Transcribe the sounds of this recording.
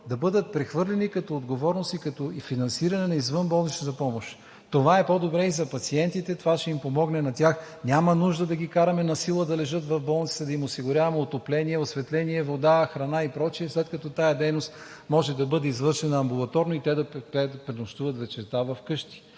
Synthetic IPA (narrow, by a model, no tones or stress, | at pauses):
d̪ɐbɤd̪ət̪̚pɾɛxvɤɾlʲɛnikɐt̪oːd̪ɡovɔɾnost̪ikɐt̪oifinɐnsiɾɐnɛnɐizvɤnbɔlˠnit͡ʃnɐt̪ɐpɔmoʃ | t̪ovaɛpod̪obɾɛizɐpɐt̪siɛnt̪it̪ɛt̪ovaʃɛimpomɔɡnɛnɐt̪ʲax | nʲamɐnuʒd̪əd̪ɐɡʲikaɾɐmɛnɐsilˠəd̪ɐlɛʒɤt̪vɐvbɔlˠnit̪si̥t̪ɛd̪ɐimosiɡʊɾʲavɐmɛot̪oplɛniɛosvɛt̪lɛniɛvod̪axɾɐnaipɾɔt͡ʃiɛslɛt̪̚kɐt̪ɔt̪ajɐd̪ɛjnost̪ | mɔʒɛd̪ɐbɤd̪ɛizvɤɾʃɛnɐːmbulˠɐt̪ɔɾnoit̪ɛd̪ɐpɛpɾɛnoʃt̪uvɐt̪vɛt͡ʃɛɾt̪avɐfkɤʃt̪i̥